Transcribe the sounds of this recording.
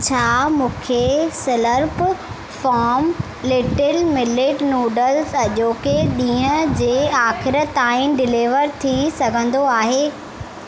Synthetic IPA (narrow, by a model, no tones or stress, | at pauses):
t͡ɕʰaːmũːkʰesɪləɾp | faːɾm | lɪʈɪlmɪlɪʈnuːɖəlsɐʄoːkeɗĩːɦə̃d͡ʑeːaːxɪɾə̆t̪aːɪ̃ɖɪliːʋəɾt̪ʰisɐɡʱə̃nd̪oaːɦeː